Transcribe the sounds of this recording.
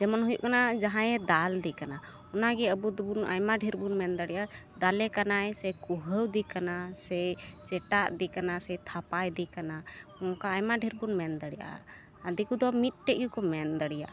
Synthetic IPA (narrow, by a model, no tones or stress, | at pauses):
d͡ʒɛmɔnɦujṵʔkanad͡ʒaɦãjɛd̪ald̪ɛkana | ɔnaɡɛəbud̪buna̰jmaɖʱiɾbunmɛnd̪əɽijʔad̪alɛkanajsɛkuɦəwd̪ikanasɛt͡ʃɛʈaʔd̪ikanasɛjt̪ʰapajd̪ikanakɔŋkaːjmaɖʱiɾbunmɛnd̪əɽijʔa̰ | ad̪ikud̪ɔmit̪̚ˀʈɛʔjukɔmɛnd̪əɽija̰ʔ